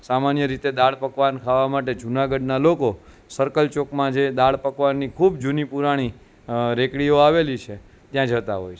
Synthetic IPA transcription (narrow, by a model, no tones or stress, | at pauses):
samanjəɾit̪ed̪aɭpəkʋankʰaʋamaʈed͡ʒunaɡəɖnaloko | səɾkəlt͡ʃokmãd͡ʒed̪aɭpəkʋanːikʰubd͡ʒunipuɾaɽ̃i | ɾekɽioaʋelit͡ʃʰe | t̪jãd͡ʒət̪a̰ɦojt͡ʃʰe